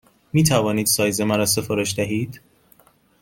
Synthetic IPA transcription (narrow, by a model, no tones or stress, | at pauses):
miːt̪ʰævɒːniːd̪̥sɒːjzemæɾɒːsefoɾoʃd̪æɦiːd̪̥